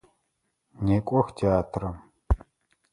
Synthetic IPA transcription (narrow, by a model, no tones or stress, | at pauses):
neːkʷʼɔxtʰeaːtʰrɐm